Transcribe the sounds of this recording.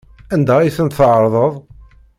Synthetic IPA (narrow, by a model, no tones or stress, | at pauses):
ænd̪æiθənt̪θʕɾˤðˤəðˤ